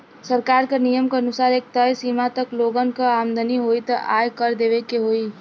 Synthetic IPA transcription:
səɾkaɾkənijəmkeənusaɾek̚t̪əjsimat̪əkloɡənkəamd̪ʱəniɦojt̪əʔa̰jkəɾd̪eʋekeɦoi

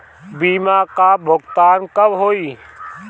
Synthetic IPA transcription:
biːmakabʱʊɡt̪aːnkɐbɦoːiː

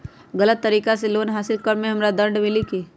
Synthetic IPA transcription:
ɡɐlət̪ːəɾiːkas̬eloːnɦaːsɪlkəɾmẽɦɐmɾad̪ə̃ɳɖmɪlikiː

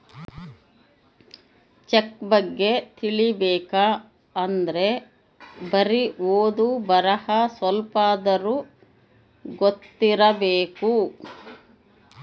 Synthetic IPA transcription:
t͡ʃekbɐɡːe̞t̪iɭibɛːkaː | ɐnd̪ɐɾe̞ | bɐɾioːd̪ubɐɾɐhɐsʋɐlpaːd̪ɐɾu | ɡot̪ːiɾɐbeːku

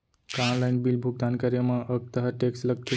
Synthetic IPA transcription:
kaɳlajnbiːlbʱuɡ̚d̪ankəɾjəmaʔəɡ̚t̪əɦəʈeksləkke

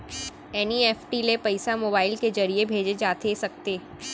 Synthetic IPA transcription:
ɛːniɛːfʈilepɐɪsamoːbaːɪlked͡ʒɐɾiebʱeːd͡ʒed͡ʒaːt̪esɐk̚t̪eː

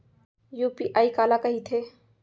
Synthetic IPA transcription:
juːpiʔaːikalakəɦit̪ʰe

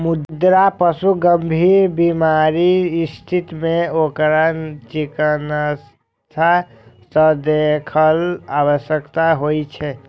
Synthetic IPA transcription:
mud̪d̪ɾapəsuɡəmbʱiɾbimaɾiːst̪ʰit̪meokɾat͡ʃikənəs | t̪ʰa | səd̪ekʰəlaβəsjəkt̪aɦojt͡ʃʰɛ

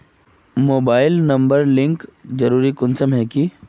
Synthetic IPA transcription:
moːbaːɪlnɐ̃mbəɾlɪ̃ŋkzɐɾuːɾikʊnsəmɦɛːki

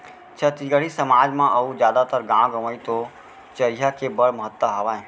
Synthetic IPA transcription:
t͡ʃʰət̪iɡəɽ̤isəmaːd͡ʒmãʔɐũd͡ʒjaːd̪at̪əɾɡãɡəməit̪o | t͡ʃəɾijakebəɽməɦət̪ːəɦaʋaːẽ

